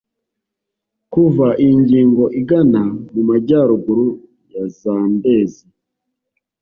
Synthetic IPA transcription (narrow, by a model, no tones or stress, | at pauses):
kuvaʔiɲɟiːŋɡo̞ʔiɡanamumaɟaːɾuɡuɾu | jazaːnde̞ːzi